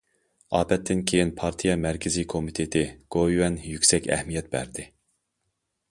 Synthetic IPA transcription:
ɑːpɛt̪ʰːɪnkʲʰejinpʰɑɾt̪ʰijɑmæɾkʲʰɪzikʰomit̪ʰet̪ʰɪɡ̥ojwɛnjykʲsɛkʲɛ̰hmijɛt̪̚bæ̰ɾd̪ɪ

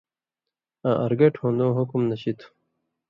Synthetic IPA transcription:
ãʔɐɾɡɐʈʰõːnd̪õːɦukumnɐɕit̪ʰu̥

